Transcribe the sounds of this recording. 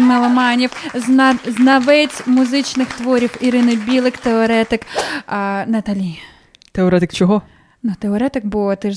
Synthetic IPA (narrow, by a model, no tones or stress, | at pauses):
nɐlˠɔmɑnʲiwzznɐʋɛt͡sʲmʊzɪt͡ʃnɪxt̪ʋɔɾʲiwiɾɪnɪbʲilˠɪkt̪eɔɾɛt̪ɪk | nɐt̪ɐlʲi | t̪eɔɾɛt̪ɪkt͡ʃɔɦɔ | nut̪eɔɾɛt̪ɪkbuʋɔt̪ɛʒ